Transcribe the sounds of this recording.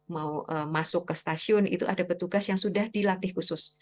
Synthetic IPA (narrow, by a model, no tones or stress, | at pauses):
mauʔəmasʊkːəst̪asiʊnḭt̪uʔadapət̪uɡasjaŋsudahdilat̪ɪhkusʊs